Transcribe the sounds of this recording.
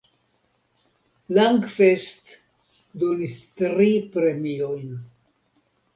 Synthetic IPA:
laŋɡfest̪ | d̪onist̪ɾipɾemio̞jn

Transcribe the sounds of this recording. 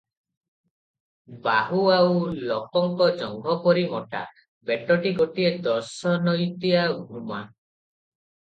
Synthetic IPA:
baɦuawlɔkɔŋkɔd͡ʒɔŋɡʱɔpɔɾimɔʈa̰ | beʈɔʈiɡɔʈied̪ɔɾsɔnɔjt̪iaɡʱuma

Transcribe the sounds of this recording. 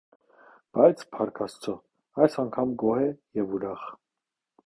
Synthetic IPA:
b̥ɑjt͡sʰpʰɑɾkʰɑst͡sʰɔ | ɑjsɑŋkʰɑmɡɔhɛjɛvuɾɑχ

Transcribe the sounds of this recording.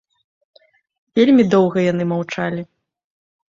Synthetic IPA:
vʲelʲmʲid̪ɔwɣɐjan̪ɨmawt͡ʂalʲi

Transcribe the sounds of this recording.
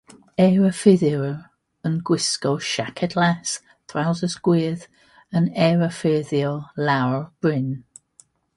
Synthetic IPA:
ɛɹəfɪðɪɹ | ənɡwɪskɔʃakʰɛdlas | θʰrawzəsɡ̥wiːð | ənɛɹəfɪðjɔlawɹb̥ɹɪn

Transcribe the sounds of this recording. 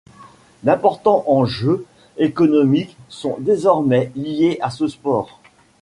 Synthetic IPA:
d̪ɛ̃pɔʁt̪ɑ̃ʔɑ̃ʒø | ekɔnɔmiksɔ̰̃d̪ezɔʁmɛlijeʔasəspɔːʁ

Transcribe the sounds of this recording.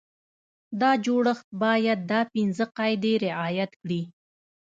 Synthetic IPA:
d̪ɑd͡ʒoɽəxt̪̚bɑjad̪̚ːɑpɪnzəqɑjd̪eɾɪʔɑjat̪kɽi

